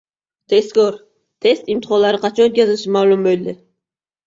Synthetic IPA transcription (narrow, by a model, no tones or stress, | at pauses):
t̪ʰest̪kʲoɾ | t̪ʰe̞st̪ɪmt̪ʰɪhɒlaɾɪqʰɑt͡ʃʰɒnot̪̚kʲazɪɪʃɪmavlˠʊmbojld̪ɪ